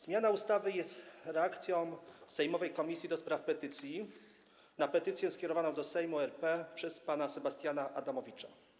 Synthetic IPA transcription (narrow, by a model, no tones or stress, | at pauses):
z̥mʲjanaust̪avɘjɛst̪ɾɛakt̪sʲjɔ̃w̃sɛjmɔvɛjkɔmʲisʲjid̪ɔspɾafpɛt̪ɘt̪sʲji | napɛt̪ɘt̪sʲjɛ̃skʲɛɾɔvanɔ̃w̃d̪ɔsɛjmuɛɾpɛpʂɛspanasɛbast̪ʲjanaʔad̪amɔvʲit͡ʂa̰